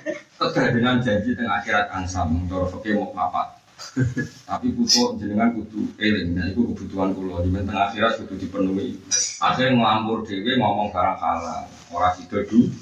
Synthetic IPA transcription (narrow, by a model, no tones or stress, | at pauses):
t̪əd̪adəŋand͡ʒad͡ʒit̪əŋaxiɾat̪̚aŋsamŋt̪ɔɾɔsɔkemɔʔma̰pa̰t̪̚ | t̪apikut̪ɔʔɲd͡ʒənəŋankut̪uelɪŋnaikukəb̥ṳt̪uankulɔd͡ʒumant̪əŋaxiɾat̪̚kut̪ud̥i̤pənuiʔa̰seŋəlampʊrd̪̥eweŋɔmɔŋsə̥kaɾaŋkala̰ŋ | oɾahsid̪̥ɔ̤d̥u